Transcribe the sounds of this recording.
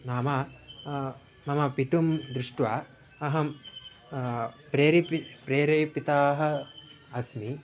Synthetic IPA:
naːmɐ | mɐmɐpit̪umd̪ɾuʂʈʋaː | ɐɦɐm | pɾeːɾippɾeːɾeːpit̪aːɦɐ̆ | ɐsmi

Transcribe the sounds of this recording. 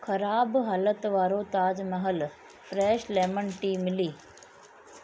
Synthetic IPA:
kʰɐɾaːbɦaːlət̪ʋaːɾot̪aːd͡ʒmɐɦəl | fʰɾɛːʃlɛːmənʈiːmɪliː

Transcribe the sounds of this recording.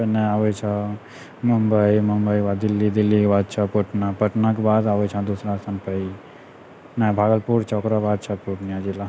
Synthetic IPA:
pənɛaʋet͡ʃʰə | məmbəiməmbəjkbaːd̪d̪ɪlːid̪ilːikebaːd̪̚t͡ʃʰəpəʈnapəʈnakebaːd̪aʋət͡ʃʰãd̪usɾast̪ʰanpəi | nɛ̃bʱaːɡəlpuɾt͡ʃʰɔokɾabaːd̪̚t͡ʃʰɐpuʈnijãd͡ʒila

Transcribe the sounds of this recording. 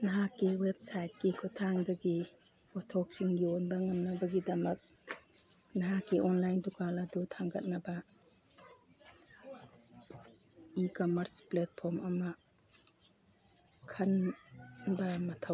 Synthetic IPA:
nɐɦakiweb̚sajt̚kikʰɔtʰaŋdaɡi | pɔtʰɔk̚siŋɡiɔnbaŋamnɐbɐɡidɐmɐk̚ | naɦakiʔɔnlajndukaladutʰaŋɡɐt̚nɐbɐ | ikɔmɐɾsplet̚pʰɔɾmɐma | kʰɐn | bamatʰaw

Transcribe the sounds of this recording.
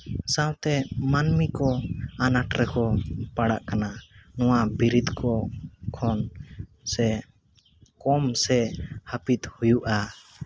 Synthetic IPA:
sãwt̪ɛmanmikɔanaʈɾɛkɔpaɽaʔkananɔwabiɾit̪kɔkʰɔn | sɛ | kɔmsɛhapit̪hujuʔa

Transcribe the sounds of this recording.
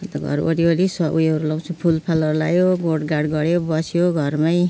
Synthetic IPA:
t̪ʌɡʱʌ̰ɾo̰ɾiolisʌʔujʌɾulʌw̃t͡sʰũpʰulpʰalʌrlajoɡoɽɡaɽɡʌɽjobʌsjoɡʱʌrmaj

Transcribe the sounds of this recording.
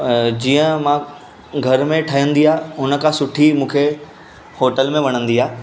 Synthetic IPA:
d͡ʑiːə̃mã | ɡʱɐɾmẽʈʰəjə̃nd̪iaːɦʊnə̆kʰãsʊʈʰimũːkʰe | hoːʈəlmẽʋɐɽ̃ə̃nd̪iaː

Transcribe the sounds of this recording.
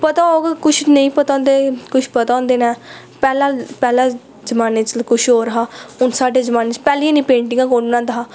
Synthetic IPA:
pət̪aːoɡkʊt͡ʃʰnəĩːpət̪ãːnd̪eːkʊʃʰpət̪ãõːnd̪eːnɛ̃ː | pɛːlãːpɛːlãː | d͡ʒəmaːneːt͡ʃlkʊʃʰɦoːɾəɦaːʊnsaːɖeːd͡ʒəmaːnet͡ʃpɛːlĩnĩːpẽːɳʈɪ̃ŋɡãːkoɽnãːd̪aɦaː

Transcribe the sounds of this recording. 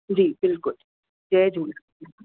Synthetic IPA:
d͡ʒiːbɪlkʊl | d͡ʒɛːd͡ʒuːl

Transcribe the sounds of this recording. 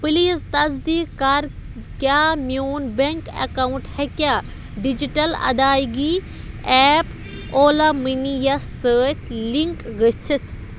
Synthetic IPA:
pɨliːzt̪ɐzd̪iːkɐɾkjaːmjuːnbeŋkɐ̰kauɳʈhɛkjaː | ɖid͡ʒiʈɐlɐ̰d̪aːjɡi | ɛːp | oːlaminijassəːt̪ʰliŋkɡət͡sʰit̪ʰ

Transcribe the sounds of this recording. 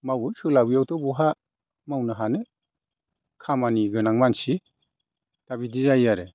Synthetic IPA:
mawɯsɯlabijawtɔbɔɦa | mawnaɦane | kʰamaniɡɯnaŋmansi | tabidizajaɾe

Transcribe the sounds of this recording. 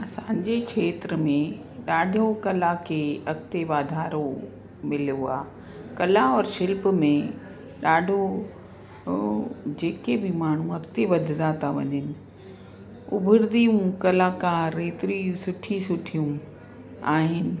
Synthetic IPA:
ɐsãːd͡ʑekʰeːt̪ɾəmẽ | ɗaːɖʱokɐlakʰeːɐk̚t̪eʋaːd̪ʱaːɾo | mɪljoa̰ː | kɐlaɔːɾʃɪlpmẽ | ɗaːɖʱo | d͡ʑeːkebɪmaːɳ̤ũɐkt̪eʋɐd̪ʱɪd̪at̪ʰaʋɐ̰ɲɪnɪ̆ | ʊ̰bʱʊɾd̪ijũkɐlaːkaːɾːeːt̪ɾisʊʈʰisʊʈʰijũ | aːɦɪnɪ̆

